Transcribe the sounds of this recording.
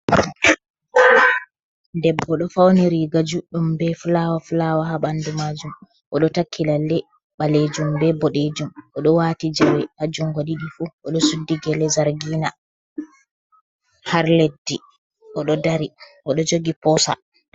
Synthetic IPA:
dɛbːɔɗɔfawniɾiɡad͡ʒuɗumbɛflawaflawaɦaɓandumad͡ʒum | ʔɔɗɔtakʰːilalːɛ | ɓaled͡ʒumbɛbɔɗed͡ʒumʔɔɗɔwatid͡ʒawɛʔad͡ʒuŋɡoɗiɗifuʔɔɗɔsudːiɡɛlɛzaɾɡiːna | haɾledːi | ʔɔɗɔdaɾiʔɔɗɔd͡ʒoɡipɔsa̰

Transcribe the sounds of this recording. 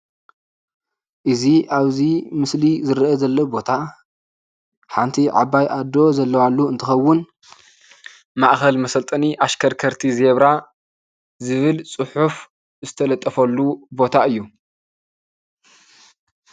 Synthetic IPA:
ʔɨziʔaβzimɨslizɨɾʔɐzɐlːobo̞t̪ʰa | ħant̪ʰiʕa̰bːajʔad̪o̞zɐlːɐwalːuɨnt̪ʰɨxɐwːʊn | maʔxɐlmɐsɐlt̪ʼɐniʔaʃkʰɐɾkʰɐɾt̪ʰizeβɾa | zɨβɨlt͡sʼɨħuf | zɨt̪ʰɐlɐt̪ʼːɐfɐlːubo̞t̪ʰaɨjːu

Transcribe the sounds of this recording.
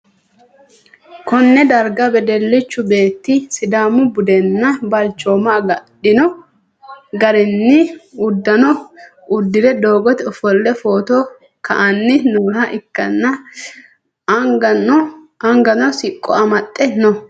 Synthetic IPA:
kɔnːɛd̪ɐɾɡɐbɛd̪ɛlːɪt͡ʃːʊbe̞ːt̪ːɪsɪd̪aːmʊbʊd̪ɛnːɐbɐlt͡ʃːoːmaːɡɐᶑɪnɔ | ɡɐɾɪnːɪʊd̪ːɐnɔ | ʊd̪ːɪd̪ɛd̪o̞ːɡɔt̪ɛɔfɔlːɛfoːt̪ɔ | kɐ̰ʔɐnːɪnuːhɐʔɪkːɐnːɐ | ɐŋɡɐnɔsɪkʼːɔ̰ɐmɐt̪ʼːɛnɔ

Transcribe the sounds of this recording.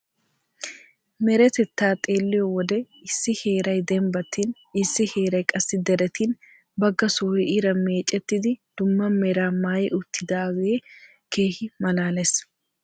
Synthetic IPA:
mɛɾɛt̪ɛt̪ːaːt̪ʼe̞ːlːɪjɔwɔd̪ɛ | ɪsːɪhe̞ːɾɐjd̪ɛmbɐt̪ːin | ɪsːɪhe̞ːɾɐjkʼɐsːɪd̪ɛɾɛt̪iːn | bɐɡːɐsoːhɛʔɪɾɐmeːt͡ʃʼːɛt̪ːɪd̪ɪd̪̥ʊmːɐmɛɾaːmaːjɪʔʊt̪ːɪd̪aːweː | ke̞ːhɪmɐlaːlɛs

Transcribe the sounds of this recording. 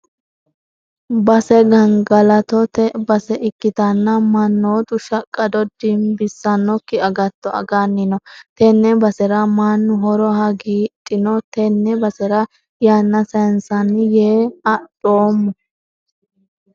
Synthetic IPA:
bɐsɛɡɐŋɡɐlɐt̪ɔt̪ɛbɐsɛʔɪkːɪt̪ɐnːɐmɐnːoːt̪ʊʃɐkʼːɐd̪ɔd̪ɪmbɪsːɐnːɔkːɪɐɡɐt̪ːɔɐ̰ɡɐnːɪnɔt̪ɛnːɛbɐsɛɾɐmanːʊɦɔɾɔhɐɡiːtʼːɪnɔt̪ɛnːɛbɐsɛɾɐ | jaːnːɐsɛnsɐnjeːɐdʼoːmːɔ

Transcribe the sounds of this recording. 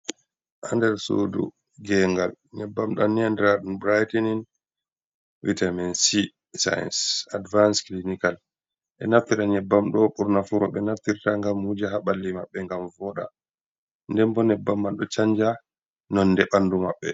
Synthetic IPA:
ʔandɛɾso̰dṵ | ɡɛŋɡal | ɲɛbːamɗanːiandɛɾaɗunbɾajtɛnin | witamɛnsi | sa̰jɛ̰nsadvansklinikal | ʔɛ̰naft̪iɾaɲɛbːamɗɔɓuɾnafuɾɔ̰ɓɛnaft̪iɾtaŋɡamhud͡ʒaɦaɓalːimaɓːɛŋɡamvɔɗa̰ | ndɛmbɔnɛbːamːalɗɔt͡ʃaɲd͡ʒa | nɔnːdɛɓandumaɓːɛ̰

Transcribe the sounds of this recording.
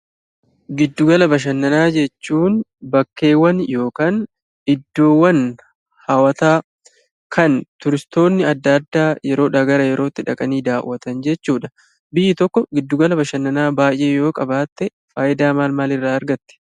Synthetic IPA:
ɡɪd̪ːʊɡɐlɐbɐʃ̬ɐnːɐnaːd͡ʒɛt͡ʃːuːnbɐkːe̞ːwːɐnjo̞ːkaːn | ɪd̪ːo̞ːwːɐn | hɐwɐt̪aː | kʰɐnt̪ʊɾɪst̪o̞ːnːɪɐd̪ːad̪ːaːjɛɾo̞ːᶑɐɡɐɾɐjɛɾo̞ːt̪ːɪᶑɐkʼɐniːd̪aːwːɐt̪ɐnd͡ʒɛt͡ʃːuːᶑɐ | bɪjːɪt̪ɔkːɔɡɪd̪ːʊɡɐlɐbɐʃɐnːɐnaːbaːjʔe̞ːjo̞ːkʼɐbaːt̪ːɛ | faːjɪd̪aːmaːlmaːlɪrːaːɐɾɡɐt̪ːɛ̥

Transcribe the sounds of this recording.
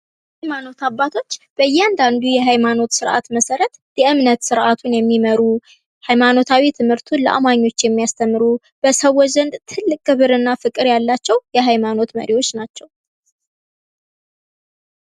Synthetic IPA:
hajmano̞t̪abːat̪ʰo̞t͡ʃːb̥əjːɛand̪and̪ujɛɦajmano̞t̪sɨɾʔa̰t̪məsəɾət̪jɛʔɨmnət̪sɨɾʔat̪ʰunjɛmːiməɾu | hajmano̞t̪ʰawit̪ʰɨmhɨɾt̪ʰuləʔa̰maɲːo̞t͡ʃːjɛmːijast̪ʰəmːɨɾu | b̥əsəwːɔzənd̪t̪ʰɨlːɨkʼːɨβɨɾɨnːafɨkʼɨɾjalːat͡ʃːɛwjɛɦajmano̞t̪mə̰ɾiwo̞t͡ʃːnat͡ʃːɛw

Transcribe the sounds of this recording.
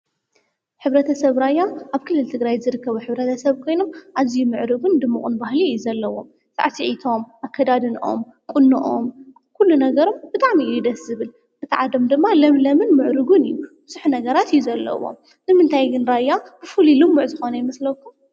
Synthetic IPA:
ħɨβɾɐt̪ʰɐsɐβɾajaʔaβkʰɨlːɨlt̪ʰɨɡɾajzɨɾɨkːɐβuħɨβɾɐt̪ʰɐsɐβkʰo̞jno̞mʔazijumɨʕɾɨɡund̪ɨmːɨχʼunbahlijuzɐlːɐwo̞̰m | sʼa̰ʕsiʕit̪ʰo̞mʔakʰːɐd̪ad̪ɨnʔo̞̰m | kʼʊnːɨʔo̰m | kʰulːunɐɡɐɾo̞mb̥ɨt̪ʼaʕmiud̪ɐszɨβɨl | ʔɨt̪ʰɐʕad̪omd̪ɨmːalɐmlɐmɨnmɨʕɾɨɡunɨjːubɨzuħnɐɡɐɾat̪ijːuzɐlːɐ̰wo̰m | nɨmɨnt̪ʰajɡɨnɾajab̥ɨfulilɨmːuʕzɨxo̞nɐjɪmɐslɐkːum

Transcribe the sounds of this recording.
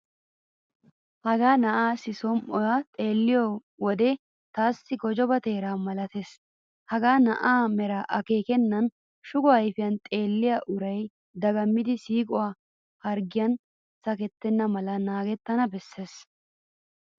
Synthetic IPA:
hɐɡaːnɐʔaːsɪsɔmʔɔjat̪ʼe̞ːlːɪjɔ | wɔd̪ɛ | t̪aːsːɪɡɔd͡ʒɔbɐt̪e̞ːɾaːmɐlɐt̪eːs | hɐɡaːnɐʔaːmɛɾɐʔɐke̞ːkɛnːɐn | ʃʊɡʊjfɪjɐnt̪ʼe̞ːlːɪjaʔʊɾɐj | d̪ɐɡɐmːɪd̪ɪsiːkʼʊwaː | hɐɾɡɪjɐn | sɐkɛt̪ːɛnːɐmɐlɐnaːɡɛt̪ːɐnɐbɛsːe̞ːs

